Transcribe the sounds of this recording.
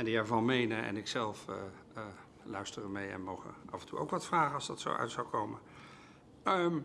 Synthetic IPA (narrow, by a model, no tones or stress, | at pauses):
ɛndiɛɹvɑnmejnəʔɛ̰nɪksɛlˠf | lœɥstərənmejɛ̰nmowχə̰ʔɑvəntṵʔo̰wkʋɑtfraːχənɑlzdɑtso̰wʔœ̰ɥtsawkowmə | əm